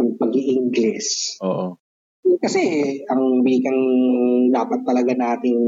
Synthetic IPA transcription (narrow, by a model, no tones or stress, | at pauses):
ɐɡpɐɡiʔɪŋɡlɪsoːʔo | okɐsɛʔɐŋbiːkɐŋd̪aːpɐt̪ːɐlɐɡanaːt̪ɪŋ